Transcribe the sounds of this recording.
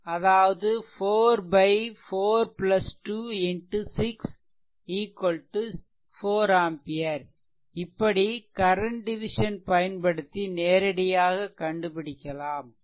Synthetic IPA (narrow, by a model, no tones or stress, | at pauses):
ɐðaːʋɐðɯfoːɾbɐɪfoːɾplɐsʈuːɪnʈusɪks | iːkːɔlʈːɯ | foːɾaːmpɪjɐɾ | ɪpːɐɽikɐɾɐɳʈɖɪʋɪʂɐnpɐjɐnpɐɽɯt̪ːineːɾɐɽɐjaːɣɐkːɐɳɖɯpɪɽɪkʲːɐlaːm